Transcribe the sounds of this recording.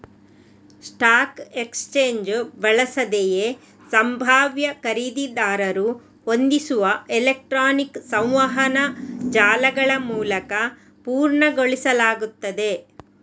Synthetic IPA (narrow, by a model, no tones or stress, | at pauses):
sʈaːkekst͡ʃeːɲd͡ʒbɐɭɐsɐd̪eje | sɐmbʱaːʋjɐkɐɾid̪id̪aːɾɐɾu | hond̪isuʋɐelek̚ʈɾaːniksɐ̃w̃ʋɐɦɐnɐd͡ʒaːlɐɡɐɭɐmuːlɐkɐ | puːɾɳɐɡoɭisɐlaːɡut̪ːɐd̪e̞